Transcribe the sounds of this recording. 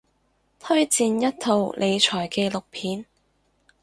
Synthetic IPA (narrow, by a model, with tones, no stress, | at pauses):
t̪ʰɵ˥ɥt͡siː˨˧njɐ˥t̚t̪ʰo˧wlʔe˨˧jt͡ʃʰɔː˨˩jkeː˧lʊ˨k̚pʰiː˨˥n